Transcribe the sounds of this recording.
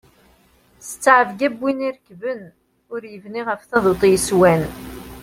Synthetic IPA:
sət͡sːʕəvɡæbːiniɾəkːvən | ʊɾjəvniʁəfθɑðˤot̪ˤjəswæn

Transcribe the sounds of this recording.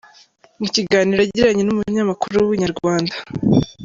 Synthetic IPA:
muciɡaːniːɾaɟiɾaɲenumuɲɲamakuɾujwiɲaɾɡwaːndḁ

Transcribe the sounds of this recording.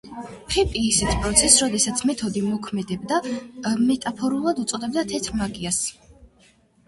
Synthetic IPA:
pʰɛpʼiːsɛt̪ʰpʼɾɔt̪sʰɛsɾɔd̪ɛsat̪sʰmɛt̪ʰɔd̪imɔkʰmɛd̪ɛbd̪amɛt̪ʼapʰɔɾulˠad̪ut̪sʼɔd̪ɛbd̪at̪ʰɛt̪ʰɾmaɡias

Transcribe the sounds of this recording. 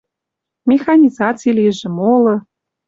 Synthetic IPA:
mʲexɑnʲizɑt͡sijlijə̆ʒĕmolɤ̆

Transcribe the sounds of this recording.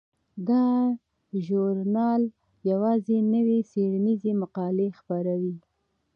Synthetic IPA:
d̪ɑ | ʒuɾnɑl | jawɑzenəweseɽanizemaqɑlexpaɾawi

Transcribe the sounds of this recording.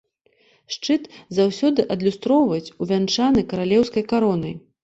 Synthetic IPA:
ʂt͡ʂɨt̪zawsʲɔd̪ɨʔɐd̪lʲust̪ɾɔwvɐjt͡sʲuvʲant͡ʂanɨkɐɾalʲɛwskɐjkaɾɔnɐj

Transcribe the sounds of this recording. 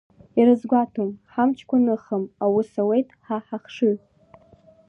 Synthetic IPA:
iɾɨzɡʷatʰomħamt͡ʃʰkʷanɨχəmawʊsawe̞jtʼħaħaχʂɨ

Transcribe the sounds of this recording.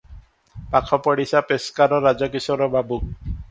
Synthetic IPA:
pakʰɔpɔɽisapeskaɾɔɾad͡ʒɔk̬isɔɾɔbabuk

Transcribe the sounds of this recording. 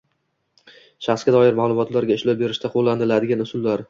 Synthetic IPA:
ʃaχsɡʲad̪ɒjɪɾmaːlˠʊmɒt̪laɾɡʲaɪʃlɒwbe̞ɾɪʃt̪ʰaqʰolˠːanɪlad̪ɪɡʲanʊsʊlːaɾ

